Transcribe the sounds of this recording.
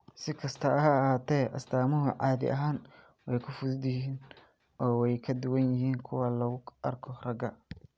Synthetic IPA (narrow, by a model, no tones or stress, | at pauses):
sɪkʰɐst̪ʰɐɐɦɐhaːt̪ʰɛːʔɐ̰sd̪aːmʊɦʊʕɑːðɪ̰ʔɐ̰ɦaːn | wɛjkʰʊfʊdd̪ɪhiːn | ʔɔːwɛjkʰɐd̪ʊwɐnjɪhiːnkʰʊwalɐɣʊɐrkʰɔrɐɡɐ